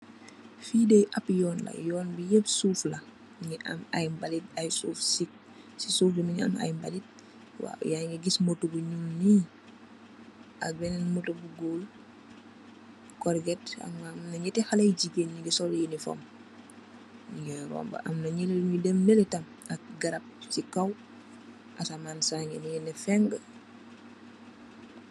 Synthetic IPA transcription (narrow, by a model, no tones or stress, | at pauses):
fiːdejʔɐpjɔːnlɐ̰jɔːnbijep̚suːflɐ | ŋɛʔa̰ma̰jmbalit̚ajsuːfsik̚ | sisuːflimiɲa̰ma̰jmbalit̚ | wa̰jaŋɡɛɡismotuɡuɲulni | ʔɐ̰bɛnɛnmutobuɡol | kɔɾɡɛta̰mamnɐɲɛtɛxalɐjd͡ʒikenɲiŋɡɛsɔljinifɔ̰m | ŋɡɛɾɔ̰mbɐ̰ʔa̰mnɐɲɛleidɛmnɛlɛtam | ɐk̚ɡaɾɐp̚sikaw | ʔasamaːnsaŋɡɛnijɛnɛfɛŋɡə